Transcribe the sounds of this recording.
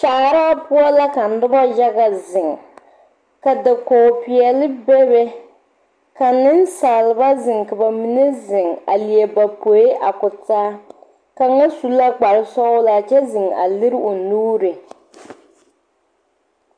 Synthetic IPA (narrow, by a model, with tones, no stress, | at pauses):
t͡ʃa˨ɾa˦pʊ˦ɔ˦la˦ka˨n̩˦dɨ˦ba˦ja˦ɣa˨zɪ˨ŋ | ka˨da˨koː˨pi˨ɛ˨lɨ˦bɛ˦bɛ˦ | ka˨nɨ˦n˦saː˨lɨ˨ba˦zɨ˨ŋka˨ba˨mi˨ne˦zɪ˨ŋa̰˨li˨ɛ˨ba˨po˨ɪ˦ʔa˨kʊ˨taː˦ | ka˨ŋa˦su˦la˦ɡ͡ba˨ɾɨ˨sɔ˦ʊ˦la˨d͡ʒɛ˦zɨ˨ŋa̰˨lɨ˦ɾo˨nuː˦ɾɨ˨